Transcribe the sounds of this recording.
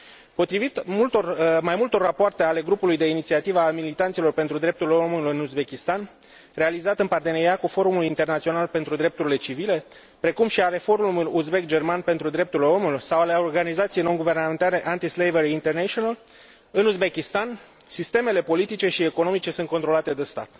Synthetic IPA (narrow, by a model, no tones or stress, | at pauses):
po̞t̪ɾivit̪mult̪ormajmult̪o̞rːapoart̪e̞ale̞ɡɾupulujd̪e̞init̪siat̪ivəalmilit̪ant̪silo̞rpent̪ɾud̪ɾe̞p̚t̪uɾilo̞mulɨnuzbe̞kʲist̪an | re̞alizat̪ɨnpart̪e̞ne̞ɾiatkufo̞ɾumuluint̪e̞rnat̪sio̞nalpe̞nt̪ɾud̪ɾe̞p̚t̪uɾile̞t͡ʃivile̞ | pɾe̞kumʃiaɾe̞fo̞rmumuluzbe̞kd͡ʒe̞rmanpe̞nt̪ɾud̪ɾe̞p̚t̪uɾileo̞mulujsawaleo̞rɡanizat̪sijejno̞ŋɡuve̞rnament̪aɾe̞ʔant̪islejveɾiːnt̪ernet͡ʃional | ɨnuzbe̞kʲist̪an | sist̪e̞me̞le̞po̞lit̪it͡ʃe̞ʃieko̞no̞mit͡ʃe̞sunt̪kot̪ɾo̞lat̪e̞d̪est̪a̰t̪